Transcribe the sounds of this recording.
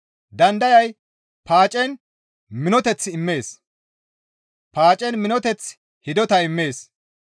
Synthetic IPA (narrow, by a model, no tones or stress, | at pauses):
d̪ɐnd̪ɐjɐj | paːt͡ʃʼɛn | mɪnɔt̪ɛt͡sːɪmːe̞ːs | paːt͡ʃʼɛnmɪnɔt̪ɛt͡s | hɪd̪ɔt̪ɐɪmːe̞ːs